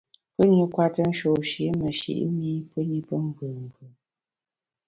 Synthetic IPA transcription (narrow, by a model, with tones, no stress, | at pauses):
pə˦ni˦kwa˦tə˦n̩˦ʃo˨ʃe˨˦mə˨ʃḭ˨ʔmi˦pə˦ɲi˦pə˦ŋ̩˦bɨ˨m̩˨ɡɨ˨